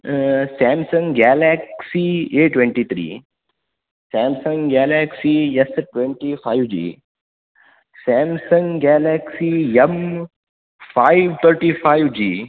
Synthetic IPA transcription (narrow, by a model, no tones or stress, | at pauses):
sɛːmsə̃ŋɡɡɛːlɛksieːʈwẽɳʈiːt̪ʰɾḭː | sɛːmsə̃ŋɡɡɛːlɛːksiɛsʈwẽɳʈifʰaːiʋd͡ʒḭː | sɛːmsə̃ŋɡɡɛːlɛːksiɛm | faːiʋt̪ʰəɾʈifaiʋd͡ʒiː